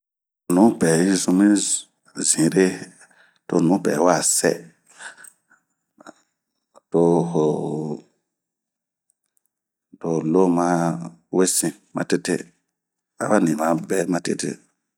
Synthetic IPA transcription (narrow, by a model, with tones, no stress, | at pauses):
nũ˨˦pɛ˨i˦zũ˧˦mĩ˦ | zĩ˨ɾe˦ | to˧˨nũ˨˦pɛ̰˨˦wa˦˨sɛ̰˦ | to˧ho˨ | to˨lo˦mã˦we˦sĩ˨ | mã̰˦te˦te˦ | a̰˦ba˦nĩ˨mã˨˦bɛ˦mã˦te˦tḛ˦